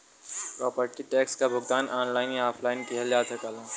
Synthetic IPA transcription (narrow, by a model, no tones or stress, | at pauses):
pɾɔːpəɾʈiʈɛːkskabʱʊɡ̚t̪aːnʔaːnlaːɪnjaːpʰlaːɪnkiɦɐljaːt̪ʰɐkalã